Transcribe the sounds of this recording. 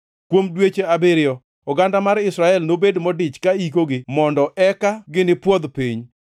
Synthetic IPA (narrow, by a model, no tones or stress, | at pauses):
kwomdwet͡ʃeabɪɾɪjɔ | ɔɡandamaɾɪsɾaɛlnobedmɔdɪt͡ʃkaikoɡɪmɔndɔʔɛkaɡɪnɪpwɔd̪piɲ